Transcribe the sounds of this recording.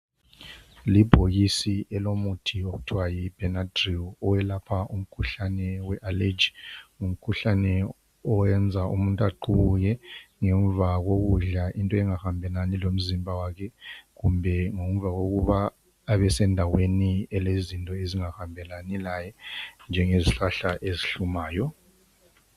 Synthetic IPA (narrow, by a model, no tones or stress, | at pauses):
lib̥ʱoɣisiɛlomutʰioktʰwajib̥ɛnadriɔwɛlapʰaʔum̩kʰuɬanɛwɛʔaled͡ʒium̩kʰuɬanɛ | ɔwɛnd͡zʱaʔṵmuntʼaǃujɛŋɛɱvaɣoɣuɮaʔintʼɔɛŋahambʱɛlanilom̩zimbʱawakʰɛɣumbʱɛŋom̩vaɣoɣuβaː | βɛsɛndʱaweniɛlezintʼɔeziŋahambʱɛlanilajɛnd͡ʒʱɛŋeziɬaɬaʔeziɬumaːjɔ